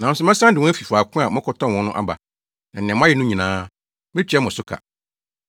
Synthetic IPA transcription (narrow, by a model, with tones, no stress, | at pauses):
nã˨n˦sʊ˦mɛ̃˦sã˦n˦dɪ˨wɔ̃˦æ˦fi˨fa˨kʰʊ̃˦a˨mʊ̃˦kʰɔ˨˦tɔ̃˦˨wɔ̃˨˦nʊ̃˦ʔa̰˨ba̰˨ | nã˨ñ˨ɛ̃˨m̃˦a˦ɛ˨nʊ̃˦ɲĩ˨nãː˦ | mɪ̃˦t͡ɕᶣɛ˦mʊ̃˨sʊ˦kʰa̰˨